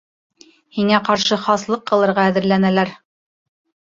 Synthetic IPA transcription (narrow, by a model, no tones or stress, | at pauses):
hiŋæqɑɾʃɤχɑslˠɤqːɤ̆lˠɤ̆ɾʁɑːðɘ̆ɾlænælæɾ